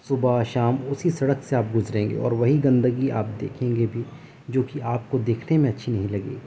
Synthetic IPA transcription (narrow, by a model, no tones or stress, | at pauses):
sʊbaʃaːmʊsisɐɽəkseaːp̚ɡʊzɾẽːŋɡḛɔ̰ːɾʋɐɦiɡɐ̃nd̪əɡiaːp̚d̪eːkʰẽːŋɡebʱi | d͡ʒoːkiaːp̚kod̪eːkʰnemẽɐtːʃʰinɐɦĩlɐɡḭː